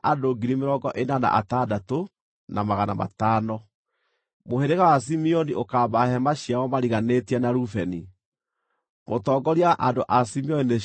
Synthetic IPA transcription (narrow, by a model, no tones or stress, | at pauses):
ʔadoɡiɾimeɾɔɡɔʔenana̰ʔa̰tadato | namaɣana̰ma̰taːnɔ | moheɾeɣawas̬imiɔniʔokabahɛmaɕijawɔmaɾiɣanetiɛnaɾufɛni | motɔːɡɔɾiaʔadoʔasimiɔnine